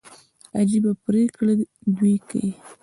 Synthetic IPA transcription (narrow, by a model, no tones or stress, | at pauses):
a̰d͡ʒibapɾekɽad̪ijka̰ji